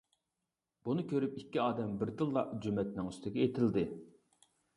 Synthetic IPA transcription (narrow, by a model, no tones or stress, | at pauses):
b̥unɨkʲʰøɾypikʲːiɑːd̪ɛmbɪɾt̪ɨlˠːɑʔd͡ʒymɛt̪nɪŋyst̪ʰɪkʲɛet̪ʰɪld̪ɪ